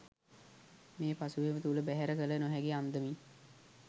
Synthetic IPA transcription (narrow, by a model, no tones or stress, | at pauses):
meːpasuʋemət̪uləbæɦæɾəkələnoɦɛɡiand̪əmi